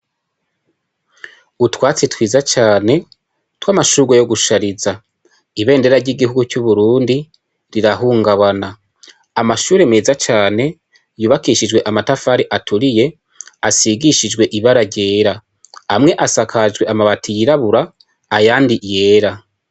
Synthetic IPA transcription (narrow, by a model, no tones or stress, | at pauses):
utwaːt͡sitwiːzat͡ʃaːne̞ | twaːmaʃuɡwejo̞ɡuʃaɾiza | iβe̞ːnde̞ɾaɾɟiɡihuɡucuβuɾuːndi | ɾiɾaɦuːŋɡaβanaː | maʃuːɾe̞meːzat͡ʃaːne̞ | juːβakiʃid͡ʒwe̞ʔamatafaːɾiʔatʰuɾije̞ | asiɡiʃid͡ʒwe̞ʔiβaɾaɟe̞ːɾa | amŋe̞ʔasakʰad͡ʒɡwe̞amaβatʰijiɾaβuɾaː | jaːndije̞ːɾa